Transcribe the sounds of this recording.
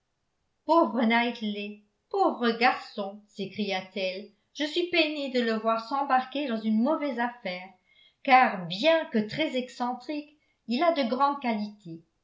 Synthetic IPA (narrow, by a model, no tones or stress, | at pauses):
povʁənajt̪le | povʁəɡaʁsɔ̃sekχijat̪ɛl | ʒ̥əsɥipened̪ələvwaʁsɑ̃baʁked̪ɑ̃zynmɔvɛzafɛːʁ | kaʁbjɛ̃kət̪χɛzɛksɑ̃t̪χik | ilad̪əɡʁɑ̃d̪̚kalit̪ʰe